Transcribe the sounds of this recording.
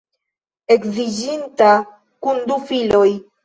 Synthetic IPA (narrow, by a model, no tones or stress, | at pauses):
e̞kzid͡ʒinta | kundufilo̞j